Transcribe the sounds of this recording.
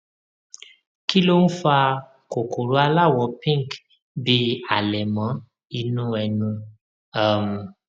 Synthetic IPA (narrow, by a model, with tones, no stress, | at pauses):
ki˦lo˦ñ̩˦fa˧ | ko˨ko˨ɾo˦a˧la˦˨wɔ˨˦pĩ˦ŋ˨k | bi˧˦a˨lɛ˨mã˨˦ | i˧nũ˦ɛ˧nũ˧ | a˦˨m̩˨